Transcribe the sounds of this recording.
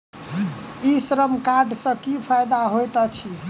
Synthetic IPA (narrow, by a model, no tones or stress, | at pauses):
isɾəmkaɾɖsə̃kipʰajd̪aɦojt̪ɔt͡ʃʰi